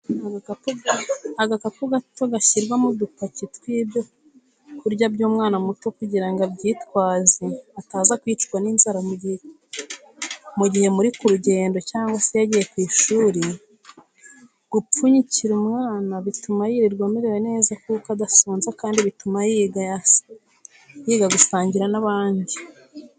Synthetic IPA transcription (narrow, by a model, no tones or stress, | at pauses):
aɡapuaɡakapuɡat͡ʃoɡaçiɾɡwamudupacitwiːbe | kuɾɟabɟuːmŋaːnamutokuɟiɾaŋɡabɟiːtwaːziataːzakwiːt͡ʃɡwaninzaɾamuɟihe | muɟihe̞muɾikuɾuɟe̞ːndo̞caːŋɡwase̞jaɟiːje̞kwiːʃuːɾi | ɡ̥up͡fuɲiciɾumŋaːnaβitumajiɾiɾɡwamiɾewene̞ːzakuːkadasuːnzakaːndiβitumajiɡaja | jiɡaɡusaːɲɟiɾanaβaːndi